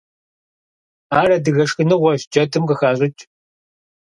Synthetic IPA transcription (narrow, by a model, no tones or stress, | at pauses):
aːrɐdɨɣɐʂxɨnɨʁʷɔɕd͡ʒɐdʰɨmqəxaːɕʷʼɪt͡ʃʼ